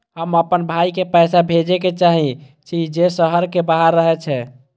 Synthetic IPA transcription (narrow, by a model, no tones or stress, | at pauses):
ɦəməpənbʱaikepəjsabʱed͡ʒeket͡ʃaɦĩ | t͡ʃʰid͡ʒesəɦəɾkebaɦəɾːəɦɛt͡ʃʰɛ